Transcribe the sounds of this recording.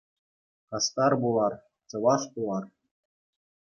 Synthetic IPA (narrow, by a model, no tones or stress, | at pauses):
kɑst̪ɑrbulˠɑr | t͡sɤ̆ʋɑʂpulˠɑr